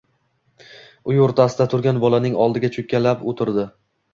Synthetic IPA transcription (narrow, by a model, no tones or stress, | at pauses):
ʊjoɾt̪ʰasɪd̪at̪ʰʊɾɡʲanbɒlanɪŋɒlˠd̪ɪɡʲat͡ʃʰʊkkʲʰːalapot̪ʰɪɾd̪ɪ